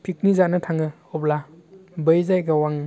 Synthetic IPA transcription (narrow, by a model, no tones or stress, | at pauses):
pʰik̚nizanɯtʰaŋɯ | ɔplabɯjzajɡawaŋ